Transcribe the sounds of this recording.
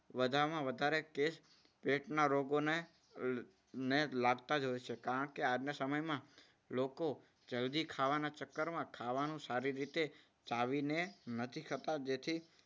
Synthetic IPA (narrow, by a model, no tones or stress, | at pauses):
ʋəd̪ʱaɾmãʋəd̪ʱaɾekes | peʈnaɾoɡone | nelaɡt̪ad͡ʒojt͡ʃʰekaɾə̃ɳkead͡ʒnəsəməjmã | loko | d͡ʒəld̪ikʰaʋanat͡ʃəkːəɾmãkʰaʋanũsaɾiɾit̪e | t͡ʃaʋinenət̪ʰikʰət̪ad͡ʒet̪ʰi